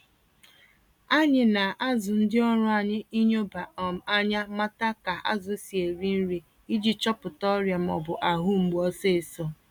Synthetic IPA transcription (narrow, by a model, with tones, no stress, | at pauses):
a˦ɲɪ˨na˨ʔa˦zʊ˨n̩˦dɪ˦ɔ˦ɾʊ˦a˨ɲɪ˦i˦ɲo˦ba˨ɔ˨m̩˨a˦ɲa˦ma˦ta˦ka˨ʔa̰˦zʊ˨˦si˨e˨ɾi˦n̩˦ɾi˨ | i˦d͡ʒi˨t͡ʃɔ˦pʊ˨tɔ˦ɾja˨m̩˨ɔ̰˨bʊ˨ʔa˨ɦʊ˦ŋ͡m̩˨ɡ͡bɔ˦se˦˨sɔ˦